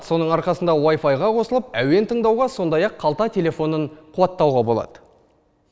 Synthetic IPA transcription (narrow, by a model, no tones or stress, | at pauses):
t̪so̞nəɴɑɾqɑsənd̪ɑwajfɑjʁɑqʰo̞səlˠəpæwe̞nt̪ʰəɴd̪ɑwʁɑso̞nd̪ɑjɑqʰːɑlˠt̪ɑt̪ʲʰe̞le̞fo̞nəɴqʰʊwɑt̪ːɑwʁɑbo̞lˠɑ̰d̪̥ə